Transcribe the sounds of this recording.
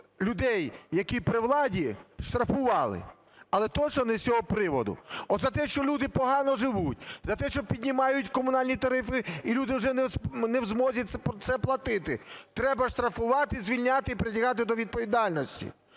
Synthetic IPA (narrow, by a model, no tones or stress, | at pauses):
lʲʊd̪ɛjjːɐkʲipɾɪwlˠɑdʲiʃt̪ɾɐfʊʋɑlˠɪ̰ | ɐlˠɛt̪ɔt͡ʃnɔnɛsʲɔɦɔpɾɪʋɔd̪ʊ̰ɔd̪zɐt̪ɛʃt͡ʃɔlʲud̪ɪpɔɦɑnɔʒɪʋutʲzɐt̪ɛʃt͡ʃɔpʲidʲnʲimɑjʊtʲkɔmʊnɑlʲnʲit̪ɐɾɪfɪilʲud̪ɪwʐɛnɛnɛwzmɔzʲɐɛpt̪sɛplˠɐt̪ɪt̪ɪt̪ɾɛbɐʃt̪ɾɐfʊʋɑt̪ɪizʲʋʲilʲnʲat̪ɪipɾɪtʲɐɦɑt̪ɪd̪ɔʋʲid̪̚pɔʋʲid̪ɑlʲnɔsʲtʲḭ